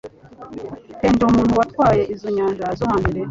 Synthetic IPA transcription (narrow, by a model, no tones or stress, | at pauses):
keːndeumuːnhuwatkwaːje̞ʔizoɲaːnʒazohaːndiɾe